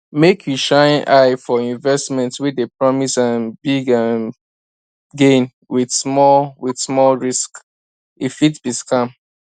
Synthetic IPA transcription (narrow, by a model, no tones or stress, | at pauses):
mekʰjuʃãɪ̃nʔaɪfɔĩnvɛstmɛ̃ntwidepɹɔmisãnbiɡãn | ɡẽn | widsmɔwidsmɔlɹisk | ifitb̥iskãm